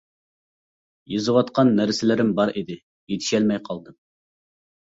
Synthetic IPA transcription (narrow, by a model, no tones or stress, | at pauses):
jɨzɨwɑt̪qʰɑnːæɾsɪlɪɾɪmbɑɾid̪ɪ | jet̪ʰi̥ʃɛlmɛjqʰɑlˠd̪ɨm